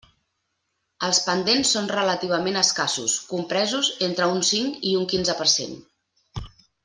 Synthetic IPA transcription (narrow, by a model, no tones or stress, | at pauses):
əlˠspənd̪ensːonrələt̪iβ̞əmenəskasṵskumpɾɛzuzent̪ɾəunsiŋkiuŋkinzəpəɾsḛn